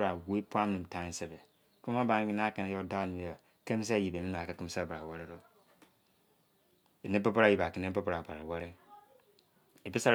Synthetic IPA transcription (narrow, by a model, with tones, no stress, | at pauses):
ɾa˨we˦pu˦a˦mĩ˨m˨tã˨˦se˨be˨ | ku˦a˦ba˨˦n˦ki˦n˦a˦ka˨na˦o˦da˦ni˨a˨ | ke˦m˦s̬a˦˨ji˨be˨ni˦m˨a˨ka˨ki˦m˦sa˦˨bɾa˨wa˦ɾe˦ɾo˦ | e˨nẽ˦pa˦pa˦ɾa˦ji˨ba˨ki˨nẽ˦pa˦pa˦ɾa˨ba˨ɾa˨wa˦ɾɪ˦ | e˨bi˦sa˦